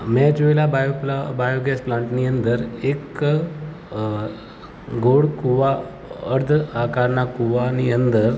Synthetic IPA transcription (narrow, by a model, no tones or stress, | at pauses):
mɛ̃d͡ʑojlabajplbajoɡɛsplãɳʈnijənd̪əɾek | ɡʱoɽkuʋa | əɾd̪ʱakaɾɳakuʋaniənd̪əɾ